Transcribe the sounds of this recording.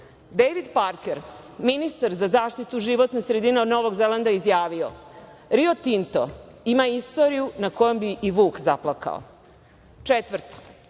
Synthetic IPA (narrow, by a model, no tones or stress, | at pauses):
d̪ejʋid̪paɾkeɾ | minist̪aɾzazaːʃt̪it̪uʒiʋot̪nesɾed̪ineod̪no̞ʋo̞ɡzeland̪aizjaːʋio̞̰ɾio̞t̪int̪o̞̰imaist̪o̞ɾijunakojombiʔiʋuːkzaplˠakʰa̰o̰ | t͡ʃet̪ʋr̩t̪o̥